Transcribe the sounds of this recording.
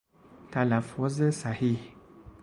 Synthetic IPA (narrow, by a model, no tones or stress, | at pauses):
talafɔzəsahih